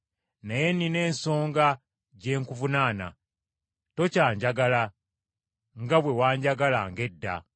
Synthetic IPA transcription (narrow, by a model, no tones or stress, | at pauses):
naje̞nine̞ːnso̞ːŋɡa | ɟe̞ːŋkuvunaːna̰ | to̞caːɲɟaɡala | ŋɡaβwe̞waːɲɟaɡalaŋɡe̞dːa̰